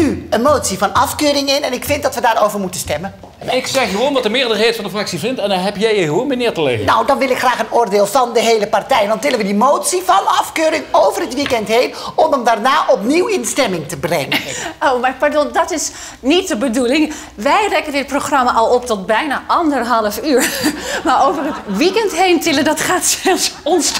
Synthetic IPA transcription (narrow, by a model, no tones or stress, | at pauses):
yənmoːtsifɑnɑfkøːɾɪŋɪnɛnɪkfɪnt̚dɑtʋədaːroːwvərmutənstɛmən | ɪksɛxjəʋoːlnʋɔtdəmɪːɹdəɹheːtfɑndəfrɑksifɪntɛndɔnɦɛpjɛjəɦʋoːlˠnmənɪːtəlḛːənawdɑnʋɪlˠɪkχraːχənoːrdeːlˠvɑndəɦeːləpartɛjɛndɑntɪlənʋədimoːtsivɑnɑfkøːɾɪŋowvərətʋikɛntɦeːnɔməmdarnaːʔɔpniwɪnstɛmɪŋtəbrɛ̰ŋəowmaɹpaɹdɔndɔtɪs | nit̚dəbədulɪŋ | ʋɛjrɛkəndɪt̚proχrɑmaʔɔlˠɔptɔt̚bɛjnaʔɑndərɦɑlˠəfyːɹmaɹowvərətʋikɛntɦejntɪləndɔtχaːtsɛlˠsɔns